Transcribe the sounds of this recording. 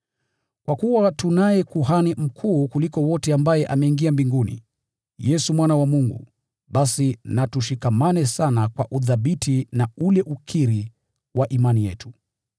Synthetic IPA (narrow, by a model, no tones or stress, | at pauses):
kwakuwatunajɛkuɦanim̩kʰuːkulikɔwɔtɛambajɛʔamɛiŋɡiambiŋɡunḭ | jɛsumwanawamuŋɡṵ | ɓasinatuʃikamanɛsanakwaʔuðaɓitʰinaulɛʔukʰiɾi | waʔimanijɛ̰tu̥